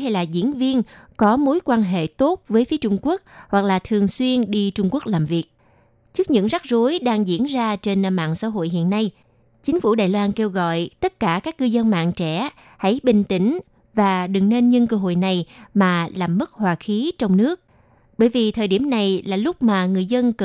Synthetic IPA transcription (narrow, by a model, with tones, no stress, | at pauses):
ɦa˧jlaː˨˩zḭ˧˥ənvi˧ənkɔ˨˦mo˨˦jkwaː˧nɦḛ˧˨t̪o˦˥t̚vəː˨˦jfi˨˦ət͡ɕʊ˧ŋ͡mku˦˥ək̚hwa˨˩k̚laː˨˩t̪ʰɨ˨˩əŋswi˧ənɗi˧t͡ɕʊ˧ŋ͡mku˦˥ək̚laː˨˩mvi˨˩ək̚ | t͡ɕɨ˦˥ək̚ɲɨ̰˧˥ŋza˦˥k̚zo˨˦jɗaː˧ŋzḭ˧˥ənzaː˧t͡ɕe˧n˧ma̰ː˧˨nsa̰ː˧˥ɦo̰˧˨jɦḭ˧˨ənːa˧j | t͡ɕï˨˦ŋ̟fu˧˩ɗaː˨˩jlwaː˧nke˧wɣɔ̰˧˨jt̪ə˦˥t̚kaː˧˩kaː˦˥k̚ːɨ˧zə˧nma̰ː˧˨nt͡ɕɛ˧˩ | ha̰˧˥jɓï˨˩ŋ̟t̪ï˧˩ŋ̟ | vaː˨˩ɗɨ˨˩ŋne˧nɲə˧nkəː˧ɦo̰˧˨jna˨˩jmaː˨˩laː˨˩mːɨ˦˥k̚hwaː˨˩xi˨˦t͡ɕɔ˧wŋ͡mnɨ˦˥ək̚ | ɓəː˧˩jvi˨˩t̪ʰəː˨˩jɗi˧˩əmna˨˩jlaː˨˩lʊ˦˥k͡p̚maː˨˩ŋɨ˨˩əjzə˧nk